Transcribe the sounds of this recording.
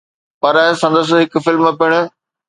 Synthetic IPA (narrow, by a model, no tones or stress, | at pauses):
pɐɾəsɐ̃nd̪əs̬̆ɦɪk̆fɪlmpɪɽ̃ʊ̆